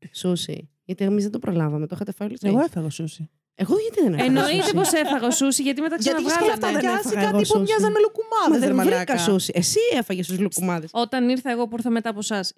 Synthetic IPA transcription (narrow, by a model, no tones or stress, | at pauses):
susḭ | ʝɐt̪iemizðed̪opɾolɐvɐmet̪oxɐt̪efɐjolosɣoefɐɣɐsusi | eɣoʝɐt̪iðeneenoit̪epo̞sefɐɣɐosusiʝɐt̪imeɐkseɐnɐvɣɐllɐfðefɐsɐɣoiuʝɐzzɐmelukumɐmɐðenvɾikɐsusiʔesiefɐʝest̪uzlukumɐðeso̞t̪ɐniɾθɐe̞ɣo̞puiɾθɐmet̪ɐːpo̞sɐs